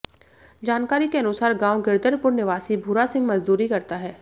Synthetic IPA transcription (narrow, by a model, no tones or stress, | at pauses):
d͡ʒaːnkaːɾikeɐnʊsaːɾɡãːwɡɪɾd̪əɾpʊɾnɪʋaːsibʱuːɾasɪ̃ŋɡmɐd͡ʒd̪uːɾikɐɾt̪aɦɛː